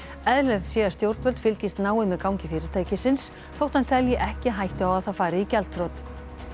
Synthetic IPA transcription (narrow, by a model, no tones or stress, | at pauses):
ɛðlɛɾt̪sjɛːḁst̪jowɾt̪vœlt̪fɪlcɪst̪naːwɪmɛðkawɲcɪfɪːɾɪt̪ʰaːjcɪsɪns | θowht̪ant̪ʰɛljɪʔɛhcɪɦajht̪ɪawaðθawfaːɾɪicɛlt̪fɾowt̪